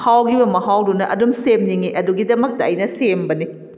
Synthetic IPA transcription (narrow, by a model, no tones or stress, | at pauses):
hawɡibɐmɐɦawdunɐʔɐdumsemniŋiʔɐduɡidɐmɐk̚tɐɐjnɐsembɐni